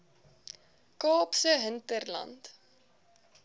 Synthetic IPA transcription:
koːpsəɦɪnt̪əɾla̰nt̪

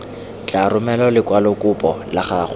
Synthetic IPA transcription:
t͡ɬʼarʊmɛlɔlɪkwalʊkʼʊpʼɔlaχaχ

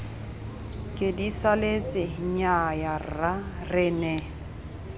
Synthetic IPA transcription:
kʼɪdisalet͡sʼɪɦiɲajarra | rɪnɛ

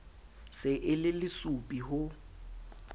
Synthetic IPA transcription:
sɪʔɪlɪlɪsupʼihʊ

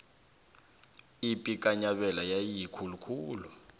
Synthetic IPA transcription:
ipʼik̬ʼaɲaɓɛlajajijikʰulukʰuːlɔ

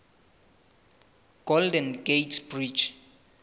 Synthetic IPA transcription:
ɡ̥oldɛ̃nɡetbɹid͡ʒ

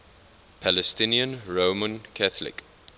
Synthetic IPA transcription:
pʰælɛstɪniə̃nɹoːmə̃nkʰaθlɪ̰k

